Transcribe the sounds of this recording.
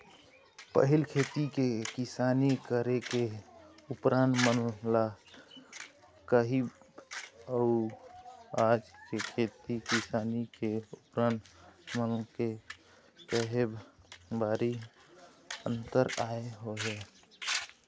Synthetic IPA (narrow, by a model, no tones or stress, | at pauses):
pə̰ɦilkʰet̪ikekɪsanikəɾekeupɾãnmənla | kəɦi | əu | ad͡ʒkekʰet̪ikɪsaːnikeupɾãnmənke | kəɦebbaɾi | ənt̪əɾaeɦoɦe